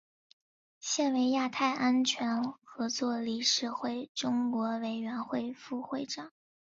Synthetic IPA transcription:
ɕjɛ˥˩nwe˧˥ɪja˥˧t̪ʰa˥˩ɪʔa˥nt͡ɕʰɥɛ˧˥nxɤ˧˥t͡swɔ˥˧li˥˩ʂɻ̩˥˧xwe˥˩ɪʈ͡ʂʊ˥ŋkwɔ˧˥we˧˩ɪɥɛ˧˥nxwe˥˧ɪfu˥˧xwe˥˧ɪʈ͡ʂɑ˨˩˦ŋ

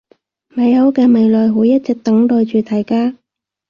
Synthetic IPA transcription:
mɐ˨˧jhɐ˨˧˥wkɛː˧mɐ˨˧jlɔː˨˩jɦuː˨˥jɐ˥t̚t͡sɛ˧k̚t̪ɐ˨˥ŋt̪ɔː˧jt͡ʃyː˨˧t̪ʰɐ˨˩jkaː˥

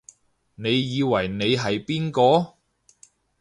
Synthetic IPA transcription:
ne˨˧jːiː˨˧wɐ˨˩jne˨˧jɦɐ˨jpiː˥nkɔː˧

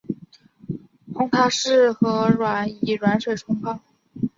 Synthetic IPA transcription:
pʰʊ˧˥ŋt̪ʰa˥ʂɻ̩˥˩xɤ˧˥ɻwa˨˧˩ni˨˩ɻwa˧˥nʂwe˨˩ɪʈ͡ʂʰʊ˥ŋpʰɑ˥˩ŋ

